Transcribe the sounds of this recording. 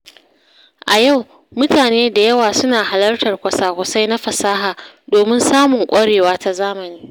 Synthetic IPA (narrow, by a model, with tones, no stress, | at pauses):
ʔa˨ja˦˨w | mʊ˦taː˨neː˦da˨jɐ˦waː˨sʊ˦naː˨ha˨lɐ˦rtɐ˨rkʷɐ˨saː˦kʷʊ˨sa˦jna˦ɸɐ˨saː˦ɦaː˨ | doː˨mɪ˦nsaː˦mʊ˨ŋkʷʼɐ˦ɽeː˨waː˦ta˦zaː˦mɐ˨niː˦